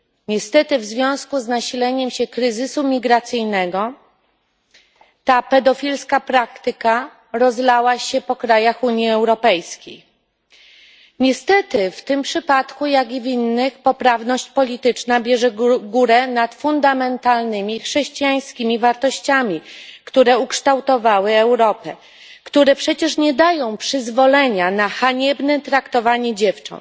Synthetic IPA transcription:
ɲɛst̪ɛt̪ɘvzvʲjɔ̃w̃skuznaɕilɛɲɛmɕɛkɾɘzɘsumʲiɡɾat̪sɘjnɛɡɔ | t̪apɛd̪ɔfʲilskapɾakt̪ɘka | ɾɔzlawaɕɛpɔkɾajaxuɲjiɛwɾɔpɛjskʲej | ɲɛst̪ɛt̪ɘft̪ɘmpʂɘpat̪kujaɡʲivʲinːɘxpɔpɾavnɔɕt͡ɕpɔlʲit̪ɘt͡ʂnabʲjɛʐɛɡuɾɛnat̪fund̪amɛnt̪alnɘmʲixʂɛɕt͡ɕijaj̃skʲimʲivaɾt̪ɔɕt͡ɕamʲikt̪uɾɛukʂt̪awt̪ɔvawɘɛwɾɔpɛ | kt̪uɾɛpʂɛt͡ɕɛʂɲɛd̪ajɔ̃w̃pʂɘzvɔlɛɲanaxaɲɛbnɛt̪ɾakt̪ɔvaɲɛd͡ʑɛft͡ʂɔ̰nt̪

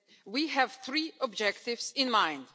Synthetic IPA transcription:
wiɦæv̥θɹiːɔbd͡ʒɛkt̪ɪvsɪ̃nmãɪ̃nd̪̥

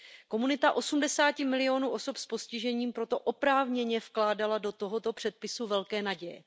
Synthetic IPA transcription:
ko̞munɪt̪aʔo̞sumdɛsaːcɪmɪlɪo̞nuːʔo̞sopspo̞scɪʒɛɲiːmpɾo̞t̪o̞ʔopɾaːvɲɛɲɛfklaːdalado̞t̪o̞ɦo̞t̪o̞pr̝̥ɛt̪̚pɪsuvɛlkɛːnaɟɛjɛ̰

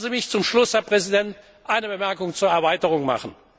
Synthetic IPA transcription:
nzimɪçt͡sʊmʃlʊshɛɐpʁ̥ɛzidɛnt | ʔaɪnəbəmɛɐkʊŋt͡suːɐɛɐvaɪtəʁ̞ʊŋma̰χən̩

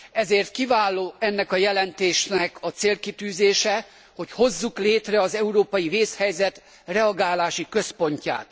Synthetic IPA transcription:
ɛzeːrt̪kivaːlːoːɛnːɛkɒjɛlɛnt̪eːʃnɛkɒt̪seːlkit̪yːzeːʃɛ | ho̞cho̞zːukleːt̪rɛɒzɛuɾoːpɒjiveːshɛjzɛt̪ | rɛɒɡaːlaːʃikø̞spo̞ɲca̰ːt̪

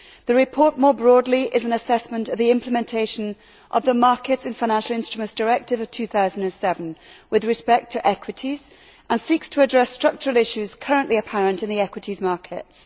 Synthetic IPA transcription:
ðəɹɪpʰɔɹʔmɔɹbɹɔdˡliʔɪzə̃nəsɛsmə̃ntəvðiɪ̃mpʰləmɛ̃ntʰeɪʃə̃n | ʔə̰vðəmɑɹkɪtsɪ̃nfaɪñãnʃəl̩ˠɪ̃nstɹ̥əmə̃ntsd̥əɹɛk̚tɪvəv̥tʰʉːθaʊzə̃n̩də̃nsɛvə̃nwɪðɹɪspɛk̚tʰəʔɛkʰwɪtʰiz̥ | ʔə̃nsikstʰəːdɹɛstɹ̥ʌk̚t͡ʃəɹəlˠɪʃʉz̥kʰʌɹə̃nʔliəpʰaɹə̃ntɨ̃nðiɛkwɪtʰizmɑɹkʰɪts

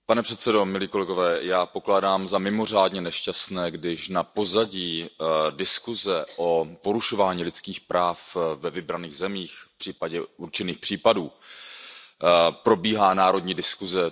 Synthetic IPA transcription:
panɛpr̥ɛt̪sɛdo̞mɪliːko̞lɛɡovɛːjaːpo̞klaːdaːmzamɪmo̞r̝aːdɲɛnɛʃcastnɛːɡdɪʃnapo̞zaɟiːdɪskuzɛʔopo̞ɾuʃo̞vaːɲiːlɪt͡skiːxpɾaːfvɛvɪbɾaniːɣzɛmiːxfpr̝̥iːpaɟɛuɾt͡ʃɛniːxpr̥iːpaduː | pɾo̞biːɦaːnaːɾo̞dɲiːdɪskuzɛ

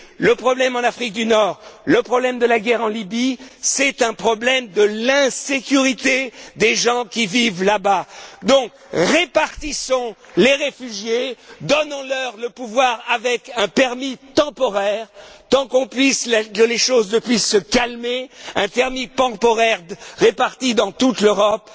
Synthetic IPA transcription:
ləpχɔblɛmɑ̃nafχik̚d̪ynɔːʁləpχɔblɛmd̪əlaɡʲɛʁɑ̃libisɛt̪ɛ̃pχɔblɛmd̪əlɛ̃sekʲyʁit̪ed̪eʒɑ̃kʲivivlabad̪ɔ̃k | ʁepaʁt̪isɔ̃ | leʁefyʒjed̪ɔnɑ̃lœʁləpuvwaʁavɛkɛ̃pɛʁmit̪ɑ̃pɔʁɛʁt̪ɑ̃kɔ̃pɥislkəleʃoznəpɥisːəkalmeɛ̃t̪ɛʁmipɑ̃pɔʁɛʁʁepaʁt̪id̪ɑ̃t̪ut̪løʁɔp

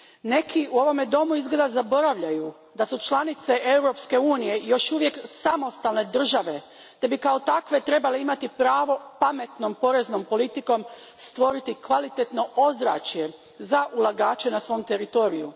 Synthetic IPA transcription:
ne̞kʰiuo̞ʋo̞med̪o̞muizɡle̞d̪azabo̞ɾaʋʎaju | d̪asut͡ʃlanit̪se̞ʔe̞wɾo̞pske̞uːnije̞jo̞ʃuʋje̞ksamo̞st̪alˠne̞d̪r̩ʒaʋe̞ | t̪ebikao̞t̪akʋe̞t̪ɾe̞baleimat̪ipɾaːʋo̞pame̞t̪no̞mpo̞ɾe̞zno̞mpo̞lit̪iko̞m | st̪ʋo̞ɾit̪ikʋalit̪et̪no̞ʔo̞zɾa̰ːt͡ʃje̞ | zaʔulˠaɡaːt͡ʃe̞nasʋo̞mt̪e̞ɾit̪o̞ːɾiju

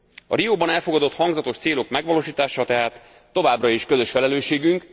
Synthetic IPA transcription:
ɒ̰ɾijoːbɒnɛlfo̞ɡɒd̪o̞t̪hɒŋɡzɒt̪o̞ʃt̪seːlo̞kmɛɡʋɒloːʃiːt̪aːʃɒt̪ɛɦaːt̪ː | o̞vaːbrɒeʃkøzø̞ʃfɛlɛløːʃeːɡyŋk

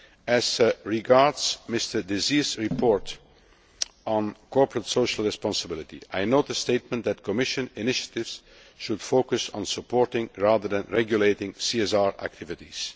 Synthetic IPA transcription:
æzəɹɪɡɑɹdzmɪstə˞dɪziːzɹɪpʰɔɹt | nkʰɔɹpɹətsoʊʃəl̩ˠɹɛspɑ̃nsəbɪlɪtḭaɪnoʊt̪̚əsteɪt̚mə̃ntðætkʰɔmɪʃə̃nɪnɪʃə̥tɪvs | ʃʊd̥foʊkəsn̩səpɔːɹtɪ̃ŋɹaðəðæ̃nɹɛɡjuleɪtɪ̃ŋsiɛsaɹæ̰k̚tʰɪvɪtis

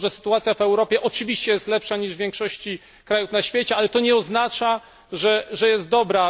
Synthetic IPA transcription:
ʐɛsɘ̥t̪uat̪sʲjavɛwɾɔpʲjɛʔɔt͡ʂɘvʲiɕt͡ɕɛjɛst̪lɛpʂaɲiʐvʲjɛ̃ŋkʂɔɕt͡ɕi | kɾajufnaɕfʲjet͡ɕɛalɛt̪ɔɲɛɔznat͡ʂa | ʐɛʐɛjɛst̪̚d̪ɔbɾa

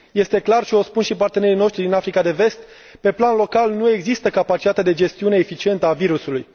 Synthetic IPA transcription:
je̞st̪e̞klarʃio̞spunʃipart̪e̞ne̞ɾino̞ʃt̪ɾid̪inafɾikad̪e̞ve̞st̪̚ | pe̞planlo̞kalnue̞ɡzist̪əkapat͡ʃi̥t̪at̪ed̪e̞d͡ʒe̞st̪iune̞ːfit͡ʃie̞nt̪əaviɾusuluj

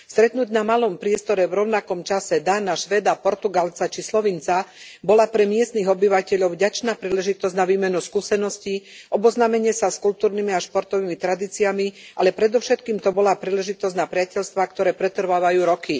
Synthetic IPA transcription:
st̪ɾɛt̪nuɟnamalɔmpɾɪɛst̪ɔɾɛvɾɔʊnakɔmt͡ʃasɛd̪anaʃʋɛd̪apɔɾt̪uɡalt͡sat͡ʃislɔʋint͡sabɔlapɾɛmɪɛst̪niɣɔbiʋacɛʎɔʊvɟat͡ʃnaːpɾiːlɛʒit̪ɔzɟnaʋiːmɛnuskuːsɛnɔsciʔɔbɔznaːmɛɲɪɛsaskult̪uːɾnimiaʃpɔɾt̪ɔʋiːmit̪ɾad̪iːt͡siamiʔalɛpɾɛd̪ɔʊʃɛt̪kiːmt̪ɔbɔlapɾiːlɛʒit̪ɔzɟnapɾɪacɛʎst̪ʋakt̪ɔɾɛːpɾɛt̪r̩ʋaːʋajuːɾɔki

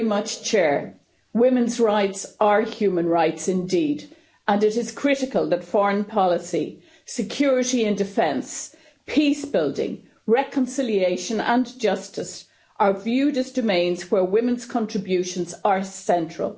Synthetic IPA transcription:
mʌt͡ʃt͡ʃʰɛɹ | wɪ̃mə̃nzɹaɪtsə˞hjʉːmə̃nɹaɪtsɪ̃ndid | ə̃nɪɾɪz̥kʰɹ̥ɪɾɪkəlˠðətfɔɹə̃npʰɑlɪsḭ | sɨkʰj̥ɔːɹɪɾiɪ̃ndɨfɛ̃ns | pʰisb̥ɪlˠdɪ̰̃ŋ | ɹɛkʰə̃nsɪlieɪʃə̃nə̰̃nd͡ʒʌstɪs | ʔə˞vjʉːdəzdəmẽɪ̃nz̥wə˞wɪ̃mə̃nz̥kʰɑ̃ntɹ̥ɨbjʉʃə̃nzə˞sɛ̃nt͡ʃɹ̥ə̰lˠ

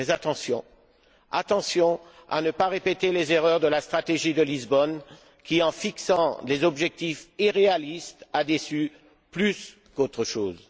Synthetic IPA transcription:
ɛzat̪ɑ̃sjɔ̰̃ | a̰t̪ɑ̃sjɔ̃a̰nəpaʁepɛt̪elezeʁœʁd̪əlast̪χat̪eʒid̪əlizbɔn | kʲiɑ̃fiksɑ̃lezɔbʒɛk̚t̪ifiʁealist̪ad̪esy | plys | kot̪χəʃoːz

